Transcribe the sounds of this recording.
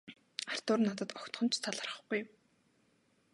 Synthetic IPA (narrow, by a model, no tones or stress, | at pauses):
ar̥t̪ʊːrnat̪ə̆t̪ɔkt̪χɞ̆nt͡ɕʰt̪ʰaɮə̆rə̆χɡuj